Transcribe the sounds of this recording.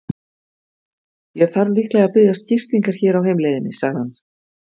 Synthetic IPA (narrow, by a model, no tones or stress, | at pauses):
jɛɣθaɾlihklɛɣapɪðjast̪̚cɪr̥st̪iŋkaɾ̥çɛːɾawɦeːjmlejðɪnːɪsaɣðhan